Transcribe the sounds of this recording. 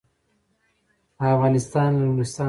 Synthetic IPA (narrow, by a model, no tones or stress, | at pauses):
afɣɑnɪst̪ɑnawlust̪ɑ